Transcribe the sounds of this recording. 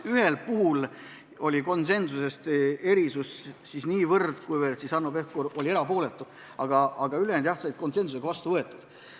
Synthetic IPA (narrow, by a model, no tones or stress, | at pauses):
yɦe̞lpuɦul | o̞lʲiko̞nse̞nsuse̞st̪e̞ɾisussisniːvɤrd̪̥kujvert̪sisɑnːope̞hkuɾo̞lʲieɾɑpo̞ːle̞t̪ːˑu | ɑɡɑʔɑɡ̥ɑylend̪jɑht̪sɑjt̪̚ko̞nse̞nsuse̞ɡ̥ɑvɑst̪uvɤe̞t̪ːˑud̪̥